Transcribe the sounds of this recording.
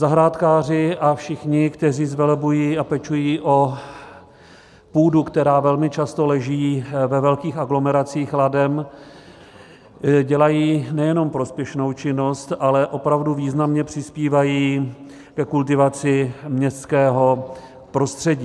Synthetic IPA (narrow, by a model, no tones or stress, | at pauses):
zaɦɾaːt̪kaːr̝ɪʔafʃɪxɲɪkt̪ɛriːzvɛlɛbujiːapɛt͡ʃujiːʔo | puːdukt̪ɛɾaːvɛlmɪt͡ʃast̪o̞lɛʒiːvɛvɛlkiːxaɡlo̞mɛɾat͡siːxladɛm | ɟɛlajiːnɛjɛno̞mpɾo̞spjɛʃno̞wt͡ʃɪno̞st̪ʔalɛʔo̞pɾavduviːznamɲɛpr̥ɪspiːvajiː | kɛkult̪̬ɪvat͡sɪmɲɛst̪kɛːɦo̞ | pɾo̞st̪r̝̥ɛɟiː